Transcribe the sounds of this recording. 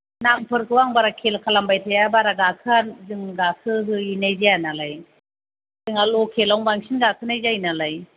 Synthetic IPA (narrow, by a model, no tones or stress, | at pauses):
naŋpʰɯɾkʰɯwaŋbaɾakʰelkʰalambajtʰajabaɾaɡakʰɯanzɯŋɡakʰɯɦɯinajzijanalaj | ɯŋalɔkʰelawŋbaŋsʰinɡakʰɯnajzajnalaj